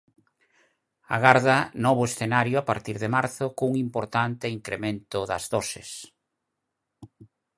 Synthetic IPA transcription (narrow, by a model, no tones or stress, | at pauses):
a̰ɣaɾðanɔβʊesθenaɾjʊapaɾt̪iɾðemaɾθʊkouŋimpoɾt̪ant̪ɪiŋkɾemẽnt̪ʊðɐ̰zðɔsḛs